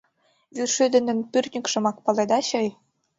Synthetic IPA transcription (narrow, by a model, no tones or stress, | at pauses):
βyʃød̪ɘ̆nə̆npyrʲnʲikʃɤ̆mɑk̚pɑled̪ɑɕɤ̆j